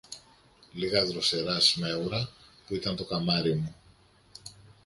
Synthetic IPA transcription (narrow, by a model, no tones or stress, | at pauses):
liɣɐðɾose̞ɾɐsme̞uɾɐpuit̪ɐnt̪o̞kɐmɐɾimu